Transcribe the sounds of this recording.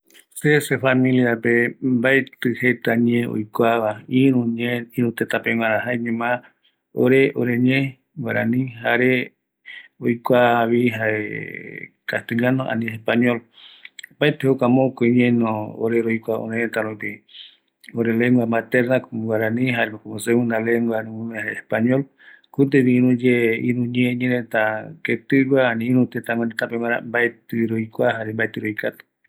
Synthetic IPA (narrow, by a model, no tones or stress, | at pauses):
sesefamĩliapembaet̪ɨhet̪aɲẽo̰jkʷaβaĩɾũɲẽĩɾũt̪et̪apewãɾ̃ãɦaeɲẽmã | o̰ɾeʔoɾeɲẽ | waɾanĩɦaɾe | ojkʷaβiɦaḛ | kast̪eʎanoʔa̰nĩespaɲol | baet̪ehokamõkoiɲẽnoo̰ɾeɾojkʷao̰nẽet̪aɾopi | oɾeleŋɡwamat̪eɾnakwaɾanĩɦaɾenõkumoseũnd̪aleŋɡwanĩmumẽɦaeespaɲol | kut̪̬eβiĩɾũd͡ʒeiɾũɲẽɲẽɾet̪aket̪ɨɡwanĩiɾũt̪et̪aŋẽnet̪apemãɾa̰mbaet̪ɨɾojkʷaɦaɾembaet̪ɨɾoikat̪o̥